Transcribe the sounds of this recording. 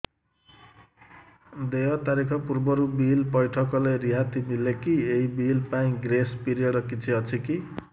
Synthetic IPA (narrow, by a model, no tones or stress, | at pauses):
d̪eɦʌt̪aɾikʰʌpurbʌɾubilpʌjʈʰʌkʌleɾiɦat̪imilekieɦibilpaĩɡrespiɾijʌɽʌkit͡sʰiʌt͡sʰiki